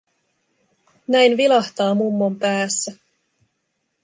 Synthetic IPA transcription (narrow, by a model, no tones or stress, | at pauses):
næjnʋilɑht̪ɑːmumːompæːsːæ